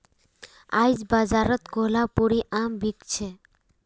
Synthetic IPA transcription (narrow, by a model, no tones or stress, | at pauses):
a̰jd͡ʒbazaɾət̪koɦlapuɾiʔambikt͡ʃʰe